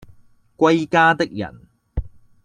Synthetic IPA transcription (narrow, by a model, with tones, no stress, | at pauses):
kʷɐ˥jkaː˥t̪ɪ˥k̚jɐ̰˨˩n